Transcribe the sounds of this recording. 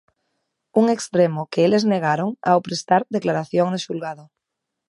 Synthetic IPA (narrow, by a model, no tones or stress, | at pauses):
uŋekst̪ɾemokeelezneɣ̞aɾoŋa̰opɾest̪aɾðeklaɾaθjoŋd̪eʃulɣaðo